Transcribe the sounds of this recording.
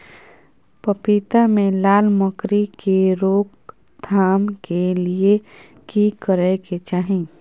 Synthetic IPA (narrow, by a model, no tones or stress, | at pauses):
pəpiːt̪amẽlaːlməkɾikeɾoːk | d̪ʰʱaːmkelie | kikəɾɛket͡ʃaːɦĩ